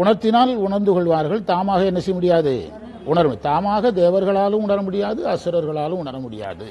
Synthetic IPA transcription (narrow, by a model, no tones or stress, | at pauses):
ʊɳɐɾt̪ːɪnaːlʊɳɐɾnd̪ɯkɔɭʋaːɾɣɐɭt̪aːmaːɣɐɛnːɐsɛjɐmʊɽɪjaːðɯ̰ | ʊɳɐɾm̰t̪aːmaːɣɐd̪eːʋɐɾɣɐɭaːlɯmʊɳɐɾɐmʊɽɪjaːðɯɐsɪɾɐɾɣɐɭaːlɯmʊɳɐɾɐmʊɽɪja̰ːðɯ̰